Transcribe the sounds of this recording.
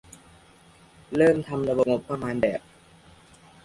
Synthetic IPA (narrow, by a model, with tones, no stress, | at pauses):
ɾɤː˥˩mt̪ʰa˧mɾa˧bo˧bo˨˩pːɾa˧maː˧nbɛː˨˩p̚